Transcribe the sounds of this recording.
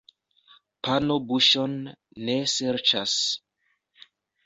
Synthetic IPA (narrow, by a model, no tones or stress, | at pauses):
panobuʃo̞nː | eseɾt͡ʃas